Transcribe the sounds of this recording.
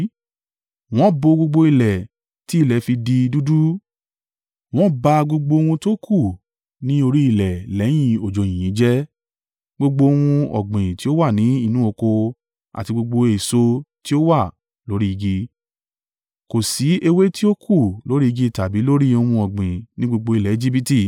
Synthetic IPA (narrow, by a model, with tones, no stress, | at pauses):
w̃ɔ̃˦bo˧ɡ͡bo˧ɡ͡bo˧i˧lɛ˨ | ti˨˦i˦˨lɛ˨˦fi˧di˧du˦du˦ | w̃ɔ̃˦ba˧ɡ͡bo˧ɡ͡bo˧o˧wũ˧to˦kʰu˦˨ | nĩ˨˦o˧ɾi˦i˦˨lɛ˨lɛ˨˦j̃ĩ˦˧o˨d͡ʒo˨j̃ĩ˨ĩ˨˦d͡ʒɛ˦ | ɡ͡bo˧ɡ͡bo˧o˧w̃ũ˧ɔ̰˨ɡ͡bĩ˨ti˦o˦wa˦˨nĩ˨˦i˦˨nũ˦o˧ko˧ | a̰˨ti˧ɡ͡bo˧ɡ͡bo˧e˨so˦ti˦o˦wa˦˨ | lo˨˦ɾi˦i˧ɡi˧ | ko˨si˨˦e˧we˦ti˦o˦kʰu˦˨lo˨˦ɾi˦i˧ɡi˦˨ta˨bi˨˦lo˦ɾi˦o˧wũ˧ɔ˨ɡ͡bĩ˨nĩ˦ɡ͡bo˧ɡ͡bo˧i˨lɛ˨e˨˦d͡ʒi˦bi˧ti˦˨